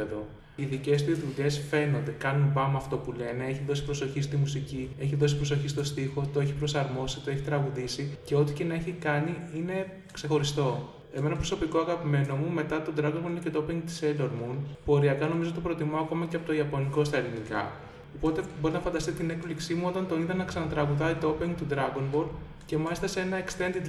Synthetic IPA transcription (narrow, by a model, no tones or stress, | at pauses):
eðo̞ | iðice̞st̪izðuʎe̞sfe̞nond̪ekɐnunbɐmɐːft̪o̞pule̞ne̞eçiðo̞si̥pɾo̞so̞çist̪imusicie̞çiðo̞s̬ipɾo̞s̬o̞çist̪o̞st̪ixo̞t̪o̞eçi̥pɾo̞sɐɾmo̞si̥t̪o̞e̞çit̪ɾɐɣuðisice̞o̞t̪icenɐe̞çikɐniine̞ | kse̞xo̞ɾist̪o̞ | e̞me̞nɐpɾo̞so̞piko̞ɐɣɐpime̞no̞mume̞t̪ɐt̪o̞d̪ɾɐɣo̞nbolinecet̪oopiŋɡt̪i̥seloɾmupo̞ɾiɐkɐnomizo̞t̪ɐpɾo̞t̪imɐoɐko̞mɐceɐpot̪o̞iɐponiko̞st̪ɐelinikɐ̰ | o̞po̞t̪ebo̞ɾinɐfɐnd̪ɐst̪it̪ine̞kpliksimuo̞t̪ɐnt̪o̞niðɐnːɐksɐnɐt̪ɾɐɣuðɐit̪oopiŋɡt̪ud̪ɾɐɣo̞nbo̞l | ce̞mɐlist̪ɐse̞nɐe̞kst̪e̞nd̪i